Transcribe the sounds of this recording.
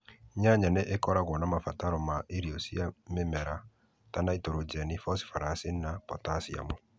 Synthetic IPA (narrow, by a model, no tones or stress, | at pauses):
ɲaɲaneʔekɔɾaɣwɔnamafataɾɔmaʔeɾiosiamemɛɾa | tanaitoɾod͡ʒɛnifɔsi̥faɾasinapɔtasia̰mo